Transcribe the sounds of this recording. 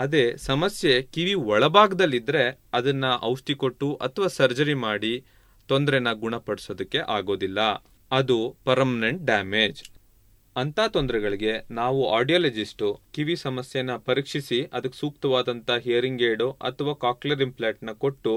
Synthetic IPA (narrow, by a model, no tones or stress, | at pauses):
ɐd̪e̞ːsɐmɐsje̞kiʋiɔɭɐbaːɡɐd̪ɐlːid̪ɾe̞ | ɐd̪ɐnːɐʔɐwʂʈiko̞ʈːuʔɐ̰t̪ʰɐʋaːsɐɾd͡ʒɐɾimaːɽi | t̪o̞nd̪ɾɛnːɐɡuɳɐpɐɽisoːd̪ɐkːe̞ʔaːɡo̞ːd̪ilːɐ | ɐd̪upɐɾmɐneɳʈ̚ɖaːme̞ːd͡ʒ | ɐnt̪ʰaːt̪ond̪ɐɾɛɡɐɭiɡe̞naːʋuaːɾɖijɐːled͡ʒisʈukiʋisɐmɐsjenɐpɐɾiːkʂisiʔɐd̪ɐkːesuːk̚t̪ɐʋaːd̪ɐnt̪ɐɦeːɾiŋɡeːɖuʔɐ̰t̪ʰɐʋaːkaːklɐɾimpʰlaːʈnɐko̞ʈːu